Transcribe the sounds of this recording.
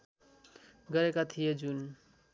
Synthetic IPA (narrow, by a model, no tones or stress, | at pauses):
ɡʌɾekat̪ʰijed͡ʒun